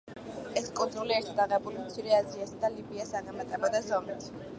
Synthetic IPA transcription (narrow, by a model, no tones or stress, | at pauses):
ɛskʼund̪zuliɛɾt̪ʰad̪aʁɛbulimt̪sʰiɾɛaziasad̪alibiasaʁɛmat̪ʼɛbad̪azɔmit̪ʰ